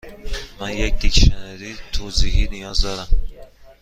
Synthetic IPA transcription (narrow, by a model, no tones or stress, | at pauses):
manjec̚ʲd̪ikʲʃaneɾit̪ʰoziɦinijɒzd̪ɒɾam